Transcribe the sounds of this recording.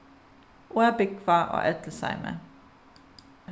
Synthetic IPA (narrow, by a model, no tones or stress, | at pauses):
ʔuːæbɪkʰʋɑːo̰ːʔɛt̪ləsæ̰ɪmḛː